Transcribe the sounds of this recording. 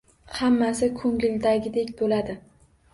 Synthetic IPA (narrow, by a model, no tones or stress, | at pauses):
hamːasɪkʰɵŋʲɪld̪aɡʲɪd̪ekʲbolad̪ɪ